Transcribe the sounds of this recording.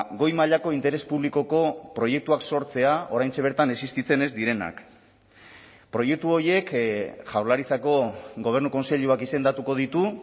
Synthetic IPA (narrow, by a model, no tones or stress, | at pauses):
ɡo̞jmaʎako̞int̪e̞ɾe̞spuβliko̞ko̞pɾo̞je̞k̚t̪uakso̞ɾt͡se̞ao̞ɾajnt͡seβ̞e̞ɾt̪ane̞sist̪it͡se̞ne̞zd̪iɾe̞na̰k | pɾo̞je̞k̚t̪uo̞ɾje̞kʝawlaɾit͡sako̞ɡo̞β̞e̞rnuko̞nse̞ʎuakise̞nd̪at̪uko̞ð̞it̪u